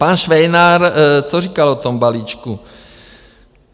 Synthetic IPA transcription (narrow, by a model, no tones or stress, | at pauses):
panʃʋɛjnaɾt͡soriːkalot̪ombaliːt͡ʃku